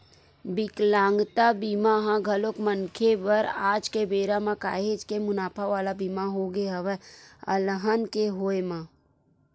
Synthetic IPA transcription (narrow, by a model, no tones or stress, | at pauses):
bɪklãːŋɡt̪abiːmaɦãɡʱəlokmənkʰebəɾaːd͡ʒkebeːɾamãka̰ːɦeːd͡ʒkemʊnaːpʰaʋaːlabiːmaɦoɡeɦəʋɛə̰lɦənkeɦoːemãː